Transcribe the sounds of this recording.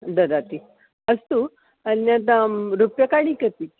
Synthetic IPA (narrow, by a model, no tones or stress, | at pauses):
d̪əd̪at̪i | əst̪u | ənjãt̪ɾupjakaɽ̃ĩkət̪i